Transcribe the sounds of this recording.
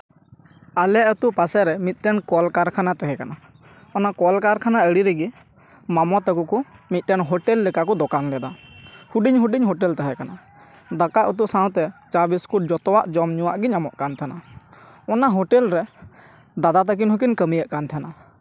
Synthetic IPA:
alɛət̪uʔpasɛɾɛmit̪̚ˀɾɛnkɔlkaɾkʰanat̪ɛɦɛkana | ɔnakɔlkaɾkʰanaəɽiɾɛɡi | mamɔt̪akukumit̪̚ˀɾɛnɦɔʈɛlːɛkakɔd̪ɔkaŋlɛd̪ahuɖiɲɦuɖiɲɦɔʈɛlt̪ɛɦɛkana | d̪akaʔət̪uʔsãw̃t̪ɛt͡ʃabiskuʈ̚d͡ʒɔt̪ɔwaʔd͡ʒɔmɲuwaʔɡiɲamɔʔkant̪ʰana | ɔnaɦɔʈɛlɾɛ | d̪ad̪at̪ak̬inhuk̬inkəmijəʔkant̪ʰana

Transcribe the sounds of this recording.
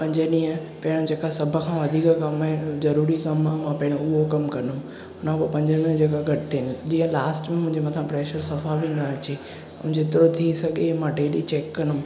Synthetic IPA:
pɐ̃ɲd͡ʑəɗĩːə̃ | pɐɦɪ̃ɽ̃õd͡ʑeːkasɐbʱə̆kʰãːʋɐd̪ʱiːkkɐmaɦɪ̃zɐɾuːɾikɐmaːmãːpɐ̃ɦɪɽ̃ʊɦokɐmkɐnʊm | ʊnãpɐpɐ̃ɲd͡ʑənĩə̃d͡ʑeːɡaɡʱɐʈ̪ːɪnɪd͡ʑiːə̃laːsʈmẽmʊ̃ɦɪ̃ɲd͡ʑemɐt̪ʰãpɾeːʃəɾsɐfabʱinɐɐt͡ɕe | ʊ̃ɦɪ̃ɲd͡ʑeɪt̪ɪɾot̪ʰisɐɡʱemãɖeːɗit͡ɕeːkːɐnʊm

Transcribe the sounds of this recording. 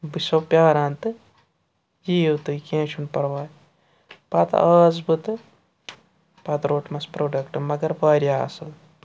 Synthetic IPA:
bɨsopjaːɾãːnt̪ɨ | jiːwt̪ɨkẽːt͡ʃʰunpɐɾʋaːj | pɐt̪aːzbɨt̪ɨ | pɐt̪ɾoːʈmɐspɾoːɖɐkʈɨmɐɡɐɾpaːɾjaːɐ̰sɐl

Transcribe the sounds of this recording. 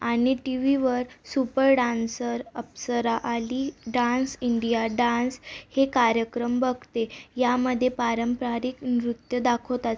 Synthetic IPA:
aɽ̃iʈiʋiʋəɾsupəɾɖansəɾəpsəɾaʔaliɖãnsiɳɖijaɖãnshekaɾjəkɾəmbəɡʱt̪ejaməd̪ʱːjepaɾəmpɾaɾiknɾut̪jəd̪akʰowt̪at͡s

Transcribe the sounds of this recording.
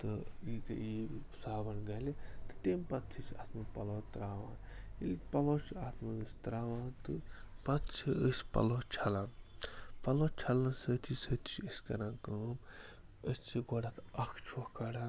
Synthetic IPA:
t̪ɨit̪ɨ̰i | saːbɐnɡɐlit̪ɨ̥t̪empɐt̪t͡ʃʰisa̰ːt̪ʰmɐpɐloːt̪ɾaːʋã̰ːilit̪pɐloːt͡ʃʰiaːt̪ʰmɐɨsʲt̪ɾaːʋãːt̪ɨpɐt̪t͡ʃʰiəsʲpɐ̰loːt͡ʃʰɐlaːnpɐloːt͡ʃʰɐlãnsət̪ʰisət̪ʰt͡ʃʰiəskɐɾãːnkəm | əst͡ʃʰiɡɔɽat̪ɐkʰt͡ʃʰokɐɽaː

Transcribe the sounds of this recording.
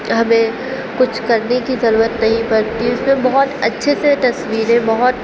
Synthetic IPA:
ɦɐmẽ | kʊt͡ʃʰkɐɾnekizɐɾuːɾət̪nɐɦĩpɐɾt̪iʊsmẽbɐɦɔt̪ɐtːʃʰeset̪ɐsʋiːɾẽbɐɦʊt̪

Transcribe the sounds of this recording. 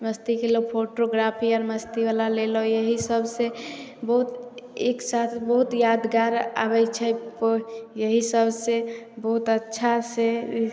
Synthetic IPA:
məst̪ikelopʰoʈoɡɾapʰiɔɾməst̪iʋalalelojəɦisəbʱsebəɦut̪eksat̪ʰbəɦut̪jad̪ɡaɾa̰bɛt͡ʃʰɛpjəɦisəbʱsebəɦut̪ətːʃʰase

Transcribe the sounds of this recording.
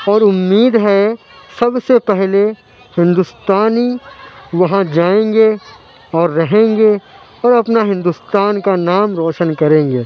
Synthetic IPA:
ɔːɾʊmːiːd̪ɦɛ | sɐbsepɛɦle | hɪ̃nd̪ʊst̪aːniʋɐɦãd͡ʒaːẽːŋɡe | ɔːɾːɐɦẽːɡe | ɔːɾɐpnaɦɪ̃nd̪ust̪aːnkanaːmɾɔːʃənkɐɾẽːŋɡeː

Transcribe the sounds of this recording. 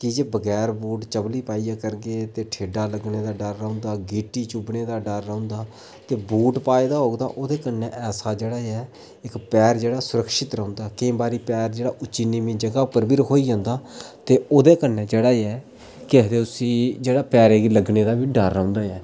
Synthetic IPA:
kɪd͡ʒeːbəɡɛːɾbuːʈt͡ʃəbliːpaːiːaːkəɾɡeːt̪eːʈʰeːɖaːləɡneːd̪aːɖəɾːə̃ʊ̃nd̪aːɡiːʈiːt͡ʃʊbneːd̪aːɖəɾːəʊ̃nd̪aː | t̪eːbuːʈpaːed̪aːɦoːɡd̪a̰ːʔoːd̪eːkəneːʔɛːsaːd͡ʒeːɽaːɛː | ɪkpɛːɾd͡ʒeːɽaːsʊɾəkʃɪt̪ɾə̃ʊ̃nd̪aːkɪẽːbaːɾiːpɛːɾd͡ʒeːɽaːʔʊt͡ʃiːniːmĩːd͡ʒəɡaːpəɾbiɾəɦʰoːiːd͡ʒãːnd̪aːt̪eːoːd̪eːkənːeːd͡ʒeːɽaːɛː | kɪd̪eːʊsĩːd͡ʒeːɽaːpɛːɾeːɡiləɡneːd̪aːbiːɖəɾːə̃ʊ̃nd̪aːɛː

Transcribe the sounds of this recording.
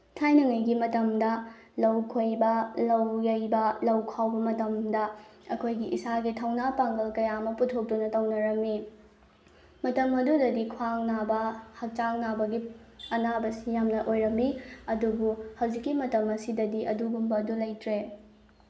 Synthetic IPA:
tʰajnɐŋɐjɡimɐtɐmdɐ | lɐwkʰojbɐlɐwlɐjbɐlɐwkʰawbɐmɐtɐmdɐɐkʰojɡiʔisaɡitʰɐwnapaŋɡɐlkɐjamɐputʰok̚dunɐtɐwnɐɾɐmːi | mɐtɐmɐdudɐdikʰwaŋnabɐhɐk̚t͡ʃaŋnabɐɡiɐnabɐsijamnɐʔojɾɐmːiɐdubuhɐwd͡ʒikːimɐtɐmɐsidɐdiʔɐduɡumbɐdulɐjtʰɾe

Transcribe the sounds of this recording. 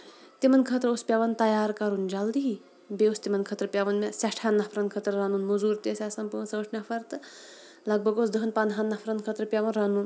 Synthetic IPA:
t̪imɐnkʰət̪ɾospʲjaʋɐnt̪ɐjaːɾkɐɾund͡ʒald̪iɦi | beost̪imɐnkʰət̪ɾəpʲaʋɐnmʲasaʈʰhanːɐpʰɾɐnkʰət̪ɾɐɾanunmozuːɾt̪esʲasɐnpuʋnsɐʋɐʈnʲafʰɐɾt̪ɨ | lɐɡ̚bʱɐɡoːsd̪əɦɐnpɐnɦanːɐpʰɾɐnkʰət̪ɾəpʲaʋɐnɾanun

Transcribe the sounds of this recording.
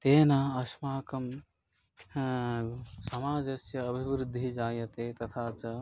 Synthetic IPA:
t̪eːnaɐsmaːkɐm | sɐmaːd͡ʒɐsjɐːbʱibɾud̪ʱːid͡ʒaːjɐt̪et̪ɐt̪ʰaːt͡ʃɐ

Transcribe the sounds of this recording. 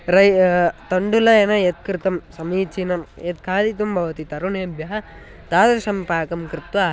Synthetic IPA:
ɾɐt̪ɐɳɖulɐenɐjet̪̚kɾɨt̪ɐmsɐmiːt͡ʃːinɐmet̪̚kʰaːd̪it̪umbʱɐʋɐt̪it̪ɐɾuneːbjɐɦɐ | t̪aːðɐɾʂɐmpaːkɐmkɾɪt̪ʋaː

